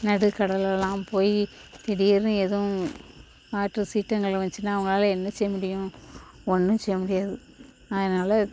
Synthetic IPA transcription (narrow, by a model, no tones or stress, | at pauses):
nɐɽɯkɐɽɐlɛlãːpoːjit̪ɪɽɪɾɯ̃ɛðɐ̃ | aːʈrɯsiːʈːɐŋɡɐɭʋɐɲt͡ʃɯnːaːɐʋɐŋɡɐɭaːlɐɛnːɐsɛjːɐmʊɽɪjʊ̃ɔɳːɯ̃sɛjːɐmʊɽɪjaːðɯ | ɐðɐnaːlɐ